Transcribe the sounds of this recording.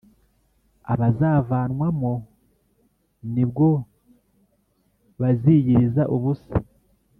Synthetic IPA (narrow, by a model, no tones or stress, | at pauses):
a̰βazaːvaːnwamo̞ | nibɡo̞ | βaziːɟiɾizaʔuβusa̰